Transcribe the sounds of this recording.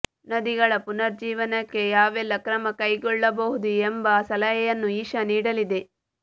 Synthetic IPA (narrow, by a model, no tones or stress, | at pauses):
nɐd̪iɡɐɭɐpunɐɾd͡ʒiːʋɐnɐkːe̞jaːʋɛlːɐkɾɐmɐkɐjɡɔɭːɐbɐɦud̪uembɐsɐlɐjɐjɐnːuiːʃɐniːɽɐlid̪e̞